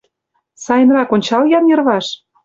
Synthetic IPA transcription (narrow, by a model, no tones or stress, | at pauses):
sɑjə̆nrɑkonʲt͡ɕɑljɑnjɤ̆rβɑʃ